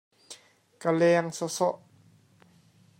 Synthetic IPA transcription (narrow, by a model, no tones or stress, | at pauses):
kalɛːŋsasɔʔ